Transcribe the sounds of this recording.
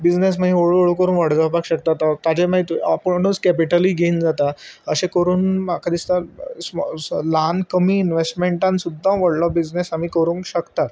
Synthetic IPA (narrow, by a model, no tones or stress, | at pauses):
bid͡znes̬mãɦĩoɭuoɭukəɾuːnʋaɽɡapakɕək̚t̪at̪at̪at͡ɕemait̪apoɽnuːskɛpiʈəliːɡʱeind͡zat̪aəɕekəɾuːnmakʰad̪ist̪asmlankəmiːnʋesʈmẽɳʈãnsud̪ʱːãʋəɽlɔbid͡znesamiːkəɾũːŋkɕəkt̪at̪